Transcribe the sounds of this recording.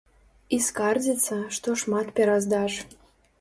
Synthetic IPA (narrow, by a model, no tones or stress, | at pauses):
iskɑrzʲit͡səʃt̪oʃmɑt̪pʲeɾɑzd̪ɑʃ